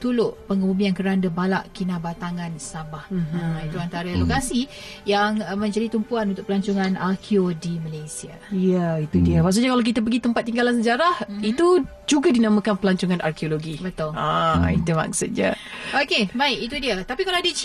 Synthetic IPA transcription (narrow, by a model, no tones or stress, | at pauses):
t̪ulʊʔpəŋəmubiankəɾandəbalaʔkinabat̪aŋãnsabahait̪uant̪aɾalokasi | jaŋmə̃ɲd͡ʒadit̪umpuanunt̪ʊk̚pəlaɲt͡ʃuŋanakʰiodimalasia | jəit̪udiəmaʔks̬uɲakalawk̬it̪əp̬əɡit̪əmpat̪ːiŋɡalansəd͡ʒaɾahit̪u | d͡ʒuɡadinamãkanpəlaɲt͡ʃuŋãna̰rkioloɡibət̪ʊla̰ḭt̪uma̰ksut̪̚ɲa̰okebaɪkit̪udiət̪apikaloadə